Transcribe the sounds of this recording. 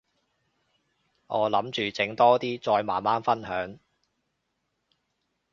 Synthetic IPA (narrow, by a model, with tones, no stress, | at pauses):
ŋɔː˨˧lɐ˨˥mt͡ʃyː˨t͡sɪ˨˥ŋt̪ɔː˥t̪iː˥t͡sɔː˧jmaː˨˩nmaː˥nfɐ˥nhœː˨˥ŋ